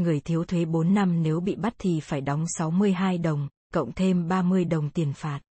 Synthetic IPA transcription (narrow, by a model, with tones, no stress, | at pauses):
ŋɨ˨˩əjt̪ʰi˨˦əwt̪ʰwe˨˦ɓo˨˦nːa˧mne˨˦wɓḭ˧˨ɓa˦˥t̚t̪ʰi˨˩faː˧˩jɗɔ˨˦wŋ͡msa˨˦wmɨ˧əjɦaː˧jɗə˨˩wŋ͡m | kə̰˧˨wŋ͡mt̪ʰe˧mɓaː˧mɨ˧əjɗə˨˩wŋ͡mt̪i˨˩ənfaː˨˩t̚